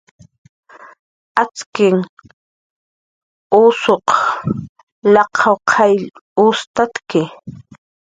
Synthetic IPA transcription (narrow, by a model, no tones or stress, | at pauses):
at͡skɪŋ | usoq | lɑqʰɑwqʰajlʊst̪at̪kɪ